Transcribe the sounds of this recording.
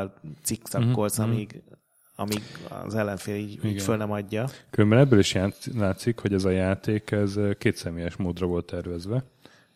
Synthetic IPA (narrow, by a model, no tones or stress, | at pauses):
lt̪siksɒkːolsɒmiɡ | ɒmiɡɒ̰zɛlːɛɱfeːliːɟiːɡfølnɛmɒɟːɒkylømbɛnɛbːøliʃjalaːt̪sikho̞ɟɛzɒjaːt̪eːkɛzkeːt̪sɛmeːjɛʃmoːd̪rɒvo̞lt̪ːɛrvɛzʋɛ